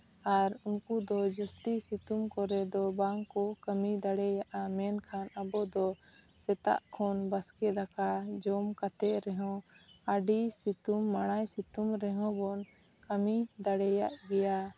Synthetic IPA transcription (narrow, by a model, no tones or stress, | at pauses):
aɾuŋkud̪ɔd͡ʒɔst̪isit̪umkɔɾɛd̪ɔbaŋkɔkəmid̪aɽɛjaʔamɛnkʰanabɔd̪ɔ | sɛt̪a̰ʔkʰɔnbaskɛakad͡ʒɔmkat̪ɛʔɾɛɦɔ̃aɖisit̪umːaɽ̃ajsit̪umɾɛɦɔ̃bɔn | kəmid̪aɽɛjaʔɡɛja